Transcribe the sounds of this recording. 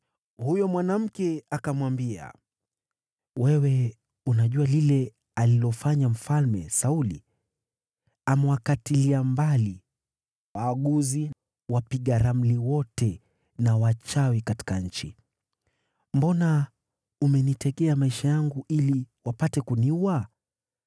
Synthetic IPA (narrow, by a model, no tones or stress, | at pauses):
hujɔmwanam̩kɛakamwambia̰ | wɛwɛ | unaʄualilɛ | alilɔfaɲam̩falmɛsauli | amɛwakatiliambali | waːɠuzi | wapiɠaɾam̩liwɔtɛ | nawat͡ʃawikati̥kaɲ̩t͡ʃi | mbɔna | umɛnitɛɠɛamaiʃajaŋɡuʔiliwapatɛkuniua